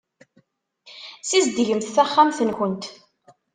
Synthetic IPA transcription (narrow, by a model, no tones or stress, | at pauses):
sizd̪ʝəmθθæχːamθənçənt̪